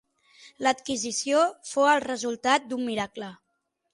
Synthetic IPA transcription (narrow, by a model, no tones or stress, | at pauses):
lət̪kizisiofoəlˠrəzulˠt̪at̪̚d̪ummiɾaklə